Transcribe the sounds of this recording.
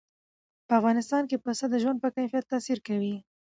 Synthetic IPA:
pəafɣɑnɪst̪ɑnkepəsad̪əʒwand̪pəkajfijat̪ːɑsiɾkawi

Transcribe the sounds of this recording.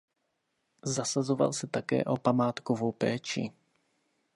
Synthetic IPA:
zasazo̞va̰lsɛt̪akɛ̰ːʔo̞pamaːt̪kovowpɛːt͡ʃɪ̰

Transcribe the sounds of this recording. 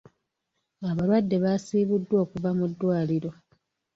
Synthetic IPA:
aβalwadːe̞βasiːβudːwo̞ːkuvamudːwaːliɾo̞

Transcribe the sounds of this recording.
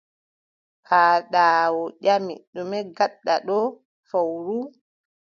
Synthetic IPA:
haːɗaːwɔʄamḭɗumɛɡaɗːaɗɔ | fawɾu

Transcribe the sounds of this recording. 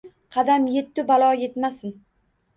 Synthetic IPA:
qʰɑd̪amje̞t̪ːɪbalˠɒje̞t̪masɪn

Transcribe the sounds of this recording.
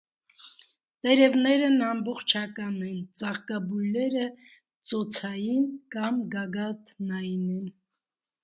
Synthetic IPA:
t̪ɛɾɛvnɛɾənɑmbɔχt͡ʃʰɑkɑnɛnt͡sɑʁkɑbujlɛɾə | t͡sɔt͡sʰɑjinkɑmɡɑɡɑt̪nɑjnɛn

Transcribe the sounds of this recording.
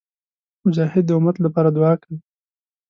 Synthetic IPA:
mʊd͡ʒɑhɪd̪̚ːəʊmat̪lapɑɾad̪ʊɑkəɽ

